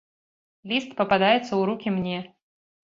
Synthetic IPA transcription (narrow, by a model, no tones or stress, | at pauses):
lʲist̪pəpad̪ajɪt̪səuɾukʲimnʲe